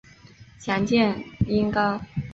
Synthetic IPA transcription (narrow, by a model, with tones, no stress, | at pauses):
ɕʰjɑ˧˥ŋt͡ɕjɛ˥˩ni˥ŋkɑ˥ʊ